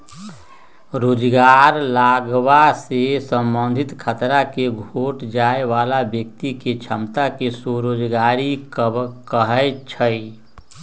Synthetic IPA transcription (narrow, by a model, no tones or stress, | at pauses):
ɾoːd͡ʒɡaɾlaɡwasesə̃mbə̃nd̪ʱɪt̪kʰət̪ɾakeɡʱoːʈd͡ʒaeʋaːlabjəkt̪iket͡ʃʰəmt̪akesoɾoːd͡ʒɡaɾikkəɦəjt͡ʃʰəi